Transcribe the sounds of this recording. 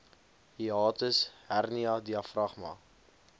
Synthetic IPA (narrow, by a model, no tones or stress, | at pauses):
hiɑːtəsɦærniɐdiɐfrɐχmɐ̰